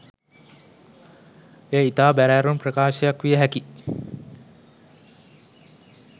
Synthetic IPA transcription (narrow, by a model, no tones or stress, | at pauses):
eːit̪aːbæɾæːɾunprəkaːʃɐjakʋijəɦæki